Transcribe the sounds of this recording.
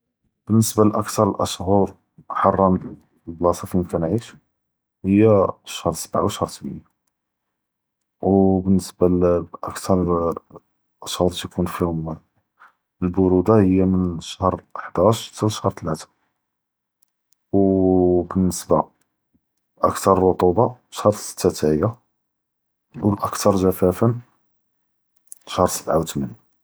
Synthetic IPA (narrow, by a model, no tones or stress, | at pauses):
b̥ənːəsbalʔəkt̪ɑɾˤəlʔəʃhʊɾ | ħɑrˤːɑn | blɑsˤɑfiəmkænʕiʃ | həjːaʃhəɾsəbʕa̰wʃhɾˤt̪bə̰nːa | wbənːəsbalʔəkt̪ʰɑɾˤ | ʔəʃhəɾˤt̪kunfihʊm | əlbʊɾud̪ahəjːamənʃəhɾˤʔəħd̪æʃt̪lʃhɾt̪əlæt̪ḁ | wbənːəsba | ʔəkt̪ɑɾˤrˤːot̪ˤubɑʃhɾˤsə̥t̪ːæt̪æʕəjːa | lʔəkt̪ʰɑɾˤʒæfæfən | ʃhəɾˤsə̥t̪ʕawt̪mæni